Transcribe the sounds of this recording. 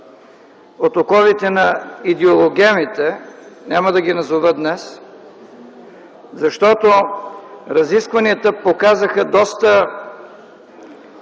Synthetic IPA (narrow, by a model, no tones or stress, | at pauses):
ot̪okɔvit̪ɛnɐid̪ɛolˠoɡʲɛmit̪ɛnʲaməd̪ɐɡinɐzovət̪̚d̪nɛs | zɐʃt̪ɔt̪o | ɾɐziskvɐniət̪əpokazəxəd̪ɔst̪ə